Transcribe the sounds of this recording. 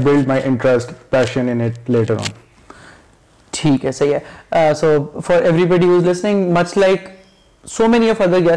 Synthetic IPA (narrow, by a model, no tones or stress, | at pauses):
bɪlɖ̚maɪʔɪ̃ɳʈɾəsʈpæːʃə̃nɪ̃nɪʈ̚leːʈəɾɔ̰̃ːn | ʈʰiːkɦɛsɐɦiɦɛsoːfɔɾɛʋɾibɔɖiɦuːzlɪsnɪ̃ŋmɐt͡ʃlaɪk | soːmɛniɔfʌd̪əɾɡɛ